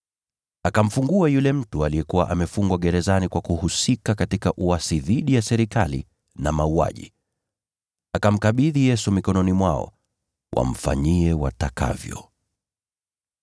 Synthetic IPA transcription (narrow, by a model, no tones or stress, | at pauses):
akam̩fuŋɡuajulɛm̩tualijɛkuwa̰ʔamɛfuŋɡwaɠɛɾɛzanikwakuhusikakatikaʔuasiðiɗijasɛɾikalḭ | namaua̰ʄḭ | akam̩kaɓiðijɛsumikɔnɔnimwaɔ̰ | wʔa̰m̩fa̰ɲiɛwataka̰vjɔ̰